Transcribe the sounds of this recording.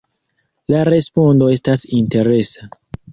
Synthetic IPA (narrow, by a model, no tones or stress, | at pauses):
laɾe̞spondo̞e̞stasinte̞ɾe̞sa